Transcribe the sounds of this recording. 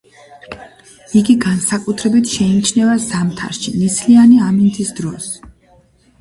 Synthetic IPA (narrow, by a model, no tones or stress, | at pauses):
iɡiɡansakʼut̪ʰɾɛbit̪ʰʃɛinit͡ʃʰnɛvazamt̪ʰa̰ɾʃinisʰlianiamint̪ʰʼisd̪ɾɔs